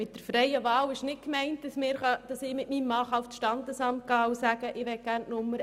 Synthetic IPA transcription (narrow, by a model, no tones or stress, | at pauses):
mɪt̚d̥əɾfɾɛɪəʋɑːlɪʃnɪk̚kmɛɪnt̚d̥ɑsmɪːɾχɑd̥ɑsɪmɪtmiːmːɑːχɑʊftʃtɑnd̪əsɑmt̚ɡ̥ɑːusæɡəʔɪʋɛɡ̥æːɾnnʊmːəɾ